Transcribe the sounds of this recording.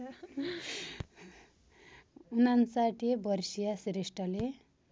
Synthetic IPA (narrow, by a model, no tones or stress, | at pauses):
unansaʈiebʌrsijasɾesʈʌle